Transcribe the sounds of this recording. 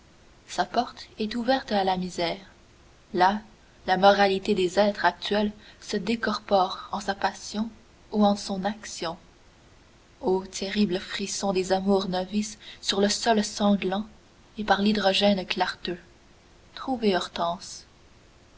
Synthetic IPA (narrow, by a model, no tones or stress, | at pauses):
sapɔʁt̪ɛt̪uvɛʁt̪alamizɛːʁ | la | lamɔʁalit̪ed̪ezɛːt̪χak̚t̪ɥɛlsəd̪ekɔʁpɔʁɑ̃sapasjɔ̃ | uɑ̃sɔ̃naksjɔ̃ | ot̪ʰeʁibləfχisɔ̃d̪ezamuːʁnɔvisːyʁləsɔlsɑ̃ɡlɑ̃ | epaʁlid̪ʁɔʒɛnklaʁt̪ø | t̪χuveɔʁt̪ɑ̃s